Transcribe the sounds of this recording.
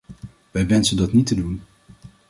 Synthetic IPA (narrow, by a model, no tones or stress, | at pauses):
ʋɛjʋɛnsəndɑtnitədun